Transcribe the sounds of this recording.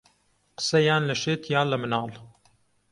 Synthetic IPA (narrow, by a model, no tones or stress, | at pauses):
qə̥sɐjaːnlɐʃeːt̪ʰjaːlɐmɨnaːl